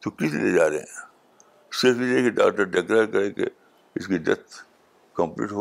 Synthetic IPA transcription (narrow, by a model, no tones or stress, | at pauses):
t̪okɪsilḛd͡ʒaːɾḛɦɛ̰̃ | sɪɾfɪsekiɖa̰ːk̚ʈəɾɖekɾaːɾkɐɾẽːkḛ | ɪskidɛ̰t̪ʰ | kɐ̃mplḭːʈɦo